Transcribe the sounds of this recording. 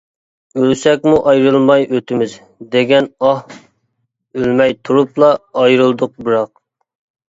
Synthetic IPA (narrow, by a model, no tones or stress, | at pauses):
ølsɛkʲmuʔɑjɾɨlˠmɑjøt̪ʰɪmɪz | d̪eɡʲɛnɑh | ølmɛjt̪ʰuɾuplˠɑːjɾɨlˠd̪ʊq̚bɨɾɑq̚